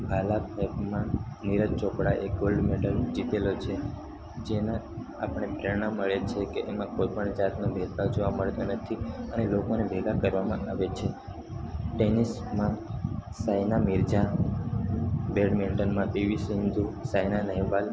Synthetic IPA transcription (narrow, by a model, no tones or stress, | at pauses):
bʱalapɛpmãniɾət̪t͡ʃokɽaʔeɡolɖmɛʈəld͡ʒit̪elot͡ʃʰe | d͡ʒena | a̰pəɳ̃epɾeɾɳ̃əməɭet͡ʃʰekeʔemãkojpəɳd͡ʒat̪nõbʱet̪ʋad͡ʒoʋaməɭt̪anət̪ʰiənelokonebʱeɡakəɾʋamãaʋet͡ʃʰe | ʈenismãsajnamiɾd͡ʒa | beɖmiɳʈənmãbiʋisind̪usajnanəɦiʋal